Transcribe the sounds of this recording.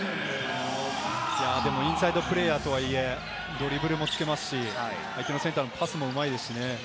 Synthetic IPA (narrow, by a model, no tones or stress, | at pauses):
jaːd̪e̞mo̞ĩɰ̃said̪o̞pɯ̟ɾe̞ːjaːt̪o̞βaie̞ | d̪o̞ɾʲibɯ̟ɾɯ̟mo̞t͡sɨ̥ke̞masɨ̥ɕi | aikʲino̞sẽ̞nt̪aɯmopasɨmo̞ɯ̟maid̪e̞sɨ̥ɕine̞